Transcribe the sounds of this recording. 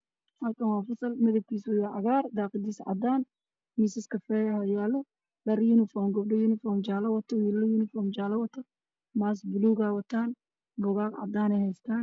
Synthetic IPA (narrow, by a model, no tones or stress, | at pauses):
hɐlkɐnwaːfɐsɐlmɐðɐb̚kʰiːswʊjaːʕɐɣaːrd̪aːqɪd̪iːsʕɑ̰d̪aːn | miːsɪskʰɐfɛjɐhɔjaːlɐ | lɐɾjunɪfɔːmɡɐbɖɔjunɪfɔːrmd͡ʒaːlɐwɐt̪ʰːɔwiːllɐjunɪfɔːmd͡ʒaːlɐwɐt̪ʰɐ | maːs̬bʊluːɡawɐt̪ʰaːn | bʊɣaːkʕa̰d̪aːnɛjhɛjst̪ʰaːn